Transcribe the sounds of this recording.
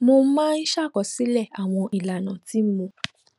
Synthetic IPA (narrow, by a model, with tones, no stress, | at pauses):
nõ˦mãː˦n̩˦ʃa˦˨kɔ˨si˦lɛ˦˨a˨w̃ɔ̃˧ʔi˨la˨nɔ̃˨ti˦m̩˦mõ˧